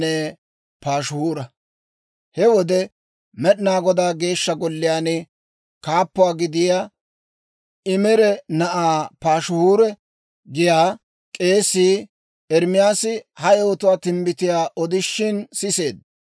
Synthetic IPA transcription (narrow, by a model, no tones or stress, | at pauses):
eː | paːʃhuːɾɐ | hɛwɔd̪ɛ | mɛɗnaːɡɔd̪aːɡe̞ːʃːɐɡɔlːɪjaːnɪ | kaːpːʊwaːɡɪd̪ɪjaː | ɪmɛɾɛnɐʔaːpaːʃhuːɾɛ | ɡɪjaː | kʼe̞ːsːiː | ɛɾmɪjaːsɪhɐjɛɔt̪ʊwaːt̪ɪmbɪt̪ɪjaːʔɔd̪ɪʃːɪnsɪse̞ːd̪